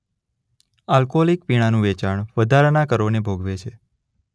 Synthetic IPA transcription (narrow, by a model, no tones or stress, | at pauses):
alkolik̚piɽ̃anũʋɛt͡ʃaɳ̃ʋəd̪ʱaɾnakəɾonebʱoɡʋet͡ʃʰe